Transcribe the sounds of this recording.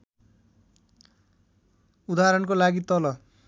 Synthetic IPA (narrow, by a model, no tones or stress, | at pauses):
ud̪aɾʌnkolaɡit̪ʌlʌ